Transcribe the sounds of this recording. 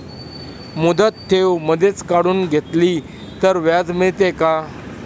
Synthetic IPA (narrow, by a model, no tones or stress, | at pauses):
mud̪ət̪ʰːewməd̪ʱet͡skaɽuːnɡʱet̪liː | t̪əɾʋjad͡zmiɭt̪eka